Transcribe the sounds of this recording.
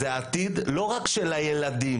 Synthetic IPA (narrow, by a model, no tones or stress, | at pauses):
eat̪id̪lo̞ʁakʃelhajelad̪im